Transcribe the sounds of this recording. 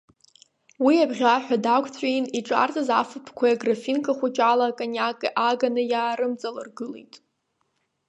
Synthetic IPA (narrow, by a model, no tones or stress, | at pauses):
wiabʁʲaħʷᶣadakʷʰʼtʰʷʼijniʈ͡ʂʼa̰rtʰʼazafɨpʰkʷʰajaɡrafinkʰʼaχʷʊt͡ʃʼalakʼanjakʼiʔaɡanɨjaːɾɨmt͡sʼalɨrɡɨlḭjtʼ